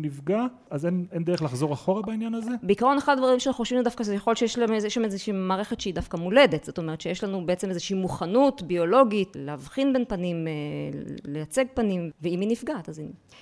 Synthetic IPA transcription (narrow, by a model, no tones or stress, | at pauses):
nifɡa | azenendeʁelaχzo̞ʁaχo̞ʁabainjanazebeikaʁo̞neχadad̪vaʁimʃenoʃvinudafkaʃejaχo̞lʃejeʃlameeʃlamezeʃiiːmaːʁe̞χetʃeidafkamule̞de̞tz̥ot̪o̞meʁet̪ʃejeʃlanubeet͡seme̞zeʃiːmuχanutbio̞lo̞ɡitleːvχinbe̞npanimelejat͡se̞ɡ̚panimveiminifɡaːt̪azi